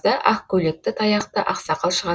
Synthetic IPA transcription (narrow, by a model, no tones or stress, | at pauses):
d̪ɑʔɑqkʲʰɵle̞k̚t̪ɪt̪ʰɑjɑqt̪əʔɑqsɑqɑlˠʃəʁɑ